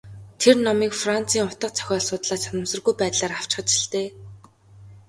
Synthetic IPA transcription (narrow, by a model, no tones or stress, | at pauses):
t̪ʰernɔmiːkfran̥t͡sʰiːŋʊt̪ə̆q̚t͡sʰœ̥xʲɔːɮsʊːt̪ɮaːsanə̆msə̆rɣujpæːt̪ɮaːraw̥t͡ɕχə̆t͡ɕɪ̥̆ɬt̪eː